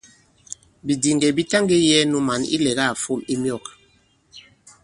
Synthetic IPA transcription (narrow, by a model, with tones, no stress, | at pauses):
bi˨di˨ŋɡɛ˨bi˦ta˦ŋɡe˦jɛ˦nu˦ma˨nḭ˦lɛ˨ɣa˦˨fo˦˨mi˦mjɔ˦˨k